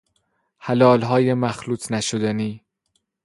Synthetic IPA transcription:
hælɒːlɦɒːjemæxluːt̪ʰnæʃod̪æniː

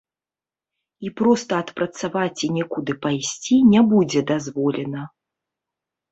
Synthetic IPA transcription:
ipɾɔst̪ɐːt̪pɾɐt̪savat͡sʲinʲɛkud̪ɨpajsʲt͡sʲinʲɛbud͡zʲɛd̪azvɔlʲɛnɐ

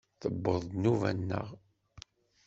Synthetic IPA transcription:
θəbːəðˤnuvæ̰nːə̰ʁ

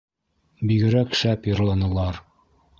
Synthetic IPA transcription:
biɡɘ̆ɾækʃæpjɤ̆ɾlˠɑnɤ̆lˠɑɾ

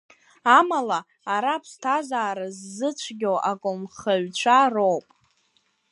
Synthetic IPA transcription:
amalaː | ɾapʰstʰazaːɾazːɨt͡ɕʷʰɡʲowʔakʼʊmχaɥt͡ɕʷʰarowpʼ

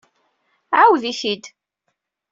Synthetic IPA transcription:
ʕawðiθid̪

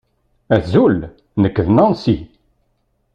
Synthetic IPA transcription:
æzul | nəkːðnɑnsi

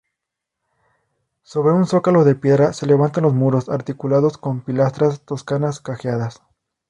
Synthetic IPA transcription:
so̞βɾe̞unso̞kalo̞ðe̞pjeðɾase̞le̞β̞ant̪anlo̞smuɾo̞saɾt̪ikulaðo̞sko̞mpilast̪ɾast̪o̞skanaskaxjaðas

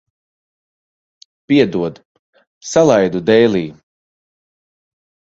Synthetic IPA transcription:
piɛd̪uɔd̪ | salˠajd̪ud̪ɛjlˠiː

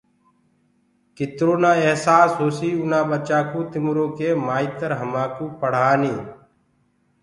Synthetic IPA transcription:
kɪt̪ɾoːnãːeɦsaːsɦoːsiːʊnãːɓət͡ʃaːkuːt̪ɪmɾõːkeːmaːiːt̪əɾɦəmaːkuːpəɽ̤aːniː

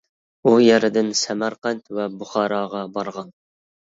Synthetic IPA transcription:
ujɛɾɪd̪ɪnsɛmɑɾqɛnt̪wɛbuχɑːɾɑːʁɑbɑɾʁɑn

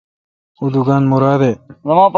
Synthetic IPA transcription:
ud̪uɡaːnmuɾaːd̪eːzɐmãːp

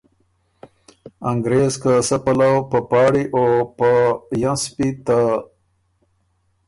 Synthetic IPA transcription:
aŋɡɾezkəsəpalawpəpɑːɽiʔopəjãspit̪a

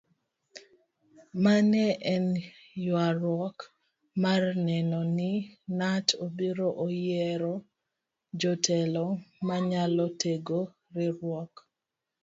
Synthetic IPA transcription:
manɛʔɛn | jwaɾwɔk | marnɛnɔnɪnatʰobiɾoʔojɛɾɔ | d͡ʒɔtʰɛlɔmaɲalɔteɡo | ɾɪɾwɔk

